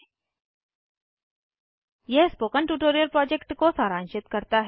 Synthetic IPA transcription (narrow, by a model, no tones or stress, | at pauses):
jɛɦspoːkəɳʈuʈoːɾijəɾpɾɔːd͡ʑekʈkosaɾãnɕɪt̪kəɾt̪aɦ